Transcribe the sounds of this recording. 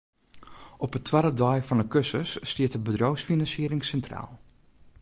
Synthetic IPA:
ɔpətʰwaɾədɔjfɔnəkøsəsːtɪətəbədrowsfinɑnsiəɾɪŋsɛntra̰ːlˠ

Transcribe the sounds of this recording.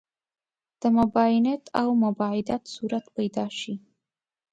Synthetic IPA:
d̪̥əmabainet̪ʰa̰wmabaid̪at̪suɾat̪pəjd̪ɑʃi

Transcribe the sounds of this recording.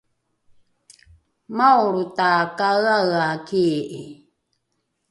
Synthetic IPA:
mawɾutakaɯaakiːʔi

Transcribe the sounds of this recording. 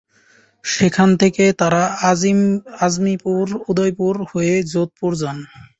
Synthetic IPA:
ʃekʰant̪ʰeket̪aɾa | azmipuɾud̪ojpuɾhoed͡ʑot̪̚puɾd͡ʑɔn

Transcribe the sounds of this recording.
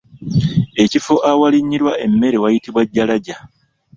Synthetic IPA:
e̞cifo̞ʔawaliɲːiɾwaʔe̞mːe̞ɾe̞wajitiβwaɟːalaɟa

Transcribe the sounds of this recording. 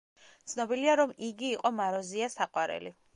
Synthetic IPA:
t̪sʰnɔbiliaɾɔmiɡiːqʼɔmaɾɔziasaqʼwaɾɛ̰lḭ

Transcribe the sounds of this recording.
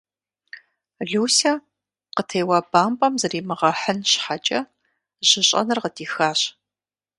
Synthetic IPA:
ɮuːsɐ | qətʰeːwɐbaːmpʼɐmzɐriːmɨʁɐħənɕħat͡ʃʼɐ | ʑ̥ɪɕʼɐ̰nɨrqədʰiːxaːɕ

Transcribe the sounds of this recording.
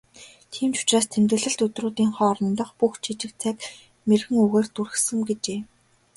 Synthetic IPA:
t̪ʰiːmt͡ɕʊ̥t͡ɕraːst̪ʰemt̪ɘ̆ɮɘ̆ɬt̪ɵt̪ruːt̪iːŋχɔːrɞ̆nt̪ə̆χpuxt͡ɕʰit͡ɕɪ̆k̚t͡sʰæk | merɣɘ̆ŋuɣeːrt̪urɘ̆xsɘ̆ŋɡet͡ɕeː

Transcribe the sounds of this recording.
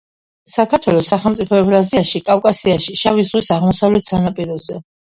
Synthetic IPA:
sakʰaɾt̪ʰwɛlˠɔsːaχɛlˠmt̪sʼipʰɔɛbɾaziaʃikʼafkʼasiaʃiʃavizʁwisaʁmɔsavlɛt̪ʰsanapʼiɾɔzɛ

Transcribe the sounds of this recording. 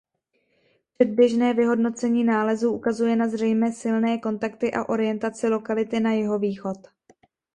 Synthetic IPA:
pr̥ɛd̪̚bjɛʒnɛːvɪɦo̞dno̞t͡sɛɲiːnaːlɛzuːʔukazujɛnazr̝ɛjmɛːsɪlnɛːko̞nt̪akt̪ɪʔaʔo̞ɾɪjɛnt̪at͡sɪlo̞kalɪt̪ɪnajɛɦo̞viːxo̞t̪

